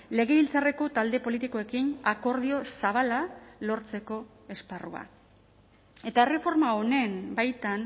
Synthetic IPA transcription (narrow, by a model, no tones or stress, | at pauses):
le̞ɣe̞βilt͡sare̞ko̞t̪ald̪e̞po̞lit̪iko̞e̞kinako̞ɾðio̞saβ̞alalo̞ɾt͡se̞ko̞ | e̞sparua̰ | e̞t̪ae̞re̞fo̞ɾmaone̞mbajt̪an